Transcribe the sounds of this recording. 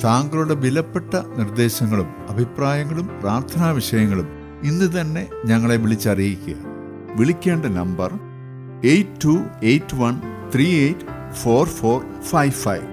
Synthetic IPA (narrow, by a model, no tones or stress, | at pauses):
saːŋɡɐɭuɽe̞ʋilɐpːe̞ʈːɐnird̪e̞ːɕɐŋːɐɭum | ɐbʱipraːjɐŋːɐɭumpraːrt̪ʰɐnaːʋiɕɐjɐŋːɐɭum | inːɨt̪̬ɐnːe̞ɲɐŋːɐɭe̞ʋiɭit͡ɕːɐrijikʲːuɣɐ̰ | ʋiɭikʲːe̞ːɳɖɐnɐmbɐr | ejtʰːuejtːʋɐnt̪ʰriːejtː | fo̞ːrfo̞ːr | fɐjʋfɐ̰jʋ